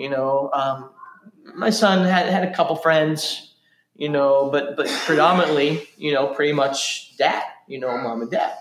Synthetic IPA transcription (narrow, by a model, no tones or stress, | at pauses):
jɨnoʊʌ̃mː | aɪsʌ̃nɨɾɨɾɨkʰʌpl̩ˠfɹɛ̃ndz̥ | jɨnoʊbʌt̚b̥ʌt̚pʰɹ̥ɨdɑmənətˡlijʔɨnoʊpʰɹ̥ɪɾimʌt͡ʃd̥æ̰t̚jɨnoʊmɑ̃mɨ̃ndæ̰t̚